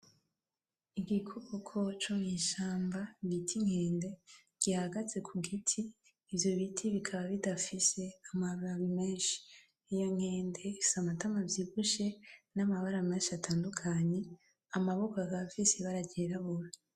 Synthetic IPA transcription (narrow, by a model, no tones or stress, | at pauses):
iɡikʰoɡokʰot͡ʃuɲiʃaːmbaɡitʰiŋ̥he̞ːnde̞ | ɡ̥ihaɡat͡se̞kʰuɡitʰiː | vjo̞βitʰiβikʰaβaβidafise̞amaβaɾaβimeːnʃi̥ | ijoŋhe̞ːnde̞isamatamavjiːɡuʃe̞namaβaɾameːnʃiatʰaːndukʰaɲe̞ | amaβokaɡafiseβaɾaɟeɾaβuɾa